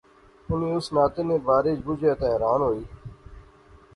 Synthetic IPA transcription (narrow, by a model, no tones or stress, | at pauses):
ʊnĩːʊsnaːt̪enẽːbaːɾɪːd͡ʒbʊd͡ʒʱeːt̪aːɦɛːɾaːnɦoːiː